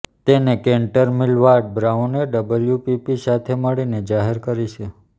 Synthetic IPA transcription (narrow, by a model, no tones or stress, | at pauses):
t̪enekẽɳʈəɾmilʋaɾɖ̚bɾauneɖəbəljupipisat̪ʰeməɭined͡ʒaɦeɾkəɾit͡ʃʰe